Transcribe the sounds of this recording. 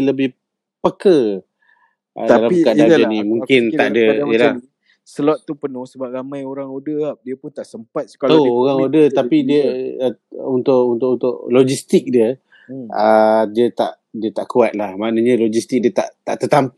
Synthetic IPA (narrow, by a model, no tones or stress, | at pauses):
ələbɪh | pəkə | əd̪alamkadaənimuŋkɪnt̪aʔdəjəla | səlɔt̪̚t̪ːupənʊhsəbap̚ɾamãjoɾaŋodəap̚diəpʊnt̪aʔsəmpat̪̚sə̥kalooɾaŋodət̪apidiə | unt̪ʊʔunt̪ʊʔkunt̪ʊʔlod͡ʒist̪ɪk̚diə | ədiət̪a̰ʔ | diət̪aʔkuat̪̚lahmanəɲəlod͡ʒist̪ɪk̚diət̪a̰ʔt̪aʔt̪ət̪am